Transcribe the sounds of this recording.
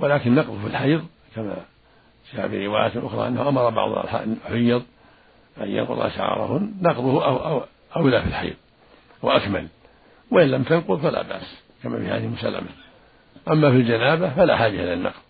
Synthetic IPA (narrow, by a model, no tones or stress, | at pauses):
walaːkɪnːɑqðˤfilħajðˤ | kama̰ | ʃaʔa̰biɾɪwaːjat̪lʔʊxɾˤɑ̰ʔanːahʊʔamɑɾˤɑbɑ̰ʕð̰ˤʔa̰lħa̰ːdħʊjːɑðˤ | ʔa̰jjːɑ̰nqʊ̰ðˤʔa̰ʃa̰ʕɑ̰ɾˤɑ̰hʊnːɑqðˤʊhʔaʔa | ʔawlafilħajðˤ | waʔakma̰l | waʔɪnlːamt̪anqʊðˤfala̰ːba̰ːs | kama̰ːfɪha̰ːðɪhɪlmʊsa̰lːa̰ma | ʔamːafild͡ʒanaːbafala̰ħaːd͡ʒɪhɪlɪnːɑ̰qðˤ